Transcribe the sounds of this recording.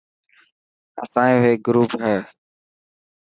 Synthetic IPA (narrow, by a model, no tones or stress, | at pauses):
əsãːĩɦeːɡʊɾuːpɦɛː